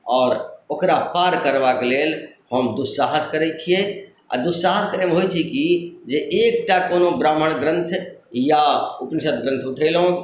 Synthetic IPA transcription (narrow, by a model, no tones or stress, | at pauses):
ɔːɾoːkɾapaɾkəɾbakeleːlhəmd̪ussaɦəskəɾɛt͡ʃʰie | a̰d̪ussaɦəskəɾemeɦojt͡ʃʰikid͡ʒeʔek̚ʈakonobɾaːməɽ̃ɡɾə̃nt̪ʰjaupnisət̪ɡɾə̃nt̪ʰʊʈʰɛlɦõ